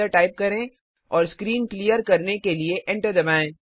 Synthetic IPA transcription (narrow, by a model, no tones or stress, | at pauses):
əɾʈaːɪp̚kɐɾẽ | ɔːɾskɾiːnklijəɾkɐɾnekelieʔɛ̃ɳʈəɾd̪ɐbaːẽː